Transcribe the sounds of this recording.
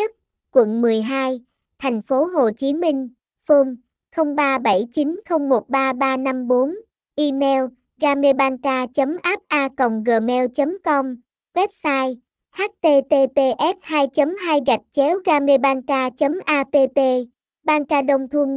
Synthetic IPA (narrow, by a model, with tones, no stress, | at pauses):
ə˦˥t̚ | kwə̰˧˨nmɨ˨˩əjɦaː˧j | t̪ʰɛ˨˩jŋ̟fo˨˦ɦo˨˩t͡ɕi˨˦mï˧ŋ̟ | fo˧m | xə˧wŋ͡mɓaː˧ɓə˧˩jt͡ɕi˨˦nxə˧wŋ͡mmo˨˩t̚ɓaː˧ɓaː˧na˧mɓo˨˦n | ʔi˧mɛ˧w | ɣaː˧me˧ɓaː˧nkaː˧t͡ɕə˨˦mʔaː˦˥p̚ʔaː˧kə̰˨˩wŋ͡mɣəː˨˩mɛ˧wt͡ɕə˨˦mkɔ˧m | ɣwɛ˦˥p̚saː˧j | haː˦˥t̚t̪e˧t̪e˧t̪e˧ʔɛ˦˥t̚haː˧jt͡ɕə˨˦mɦaː˧jɣa˨˩jk̟̚t͡ɕɛ˨˦wɣaː˧me˧ɓaː˧nkaː˧t͡ɕə˨˦mʔaː˧p̪e˧te˧ | ɓaː˧nkaː˧ɗə˧wŋ͡mt̪ʰu˧n